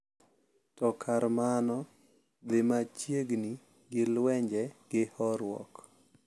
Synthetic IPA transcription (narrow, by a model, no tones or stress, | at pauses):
tɔkʰaɾmanɔ | d̪ɪmat͡ʃjeɡni | ɡɪlwɛɲd͡ʒɛɡ̥ɪhɔɾwɔ̰k